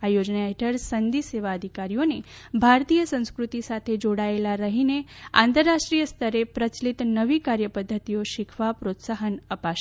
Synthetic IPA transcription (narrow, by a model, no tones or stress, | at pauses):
ajod͡ʒnaeʈʰəɾsənd̪iseʋaəd̪ʱikaɾijonebʱaɾt̪ijəsə̃w̃skɾut̪isat̪ʰed͡ʒoɽaelaɾəɦineã̰nt̪əɾːaʃʈɾijəst̪ʰəɾepɾət͡ʃlit̪nəʋikaɾjəpəd̪ʱːət̪ijoʃikʰʋapɾot̪saɦənəpaʃ